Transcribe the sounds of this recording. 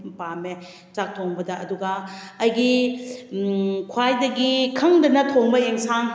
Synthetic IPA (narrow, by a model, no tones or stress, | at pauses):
pame | tak̚tʰoŋbɐdɐʔːduɡɐːjɡi | kʰwajdɐɡikʰɐŋdɐnɐtʰoŋbɐeŋsaŋ